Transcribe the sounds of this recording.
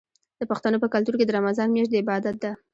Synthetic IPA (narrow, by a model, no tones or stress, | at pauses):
d̪̥əpaxt̪anopəkalt̪uɾked̪əɾamazɑnmeʃtd̪əɪbɑd̪at̪̚d̪a